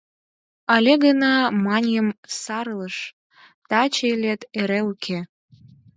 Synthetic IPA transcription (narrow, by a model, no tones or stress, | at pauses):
ɑlʲeɡənɑmɑnʲjəmsɑɾləʃ | t̪ɑt͡ɕelʲet̪eɾeukʰe